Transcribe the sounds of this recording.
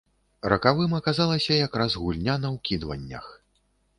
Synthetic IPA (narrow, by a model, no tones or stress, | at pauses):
ɾɐkavɨmɐkazalˠɐsʲɐjakrazɣulʲnʲanɐwkʲid̪vɐ̰nʲːɐ̰x